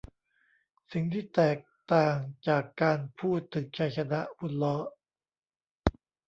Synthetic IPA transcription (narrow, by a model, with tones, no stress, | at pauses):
si˨˩ŋt̪ʰiː˥˩t̪ɛː˨˩k̚t̪aː˨˩ŋt͡ɕaː˨˩kːaː˧npʰuː˥˩t̪ʰːɯ˩˦ŋt͡ɕʰa˦˥˩jt͡ɕʰa˧na˦˥ʔpu˦˥˩t̪̚lɔ˦˥